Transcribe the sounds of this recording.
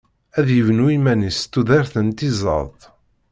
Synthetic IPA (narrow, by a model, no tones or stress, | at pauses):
æðjəvənuimænist̪ːuðæɾθənt̪izˤə̰ɾˤt̪ˤ